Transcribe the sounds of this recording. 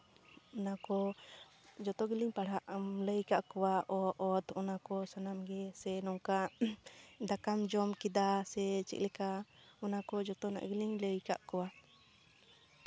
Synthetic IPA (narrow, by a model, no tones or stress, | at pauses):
ɔnakɔ | d͡ʒɔt̪ɔɡiliŋpaɽaʔləjkaʔkɔwaʔɔʔɔt̪ɔnakɔsanamɡɛsɛnɔŋka | d̪akamd͡ʒɔmkid̪asɛt͡ʃḭʔlɛkaɔnakɔd͡ʒɔt̪ɔna̰ʔɡiliŋləjka̰ʔkɔwa